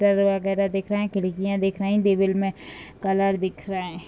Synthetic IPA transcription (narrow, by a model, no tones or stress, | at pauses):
ʈəɾʋəɣɛːɾad̪eːkʰɾaɦɛ̃kɪlɪkijãːd̪eːkʰɾaĩd̪eːʋɪlmẽkələɾd̪ɪkʰɾaɛ̃ː